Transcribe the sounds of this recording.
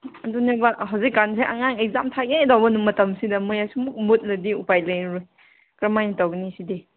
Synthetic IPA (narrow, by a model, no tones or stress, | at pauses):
adunik̚baɦawzikːans̬eʔaŋaŋek̚zamtʰaɡedawbɐnumɐtɐmsidɐmɯjasumuk̚mut̚lɐdiupajlajɾuj | kɾɐmajnitawɡnisidi